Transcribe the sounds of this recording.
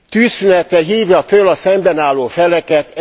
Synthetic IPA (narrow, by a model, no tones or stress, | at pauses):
t̪yːsynɛt̪ɛɦiːvjɒføːlɒsɛmbɛnaːlːoːfɛlɛkɛt̪